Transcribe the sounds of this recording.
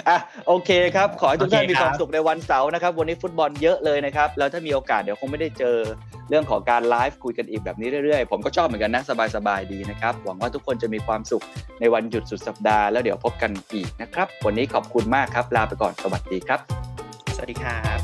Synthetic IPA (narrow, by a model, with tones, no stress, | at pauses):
ʔa˨˩ʔoː˧kʰeː˧kʰɾa˦˥p̚kʰɔː˨˩˦ha˥˩t̪ʰu˥k̪ʰaː˥˩mː˧kwaː˧msu˨˩k̚na˧jwa˧nsa˩˦wna˦˥kʰa˦˥p̚wa˧nːiː˦˥fu˦˥t̪̚bɔ˧njɤ˦˥ʔlɤː˧jna˦˥kʰa˦˥p̚lɛː˦˥t̪ʰaː˥˩miː˧ʔoː˧kaː˨˩t̪̚di˩˦kʰo˧ŋma˥˩jda˥˩jt͡ɕɤː˧ | ɾɯ˥˩əŋkʰɔː˩˦ŋkaː˧nlaː˦˥jf̚kʰu˧jka˧nʔiː˨˩k̚bɛː˨˩p̚niː˦˥ɾɯ˥˩jɾɯ˥˩əjpʰo˩˦mkɔ˥˩t͡ɕʰɔː˥˩pm˩˦ka˧nːa˦˥sa˧baː˧jsa˧baː˧jdiː˧na˦˥kʰɾa˦˥p̚wa̰˩˦ŋwaː˥˩u˥kʰːo˧nt͡ɕa˨˩miː˧kʰwaː˧msu˨˩k̚na˧jwa˧nju˨˩t̪̚su˨˩t̪̚sa˨˩p̚daː˧lɛː˦˥wdi˩˦wpʰo˦˥p̚ka˧nʔiː˨˩k̚na˦˥kʰɾa˦˥p̚wa˧nːiː˦˥kʰɔː˨˩p̚kʰu˧nmaː˥˩kʰɾa˦˥p̚laː˧pa˧jkɔ̰ː˨˩nsa˧wa˨˩t̪̚diː˧kʰɾa˦˥p̚ | diː˧kʰaː˦˥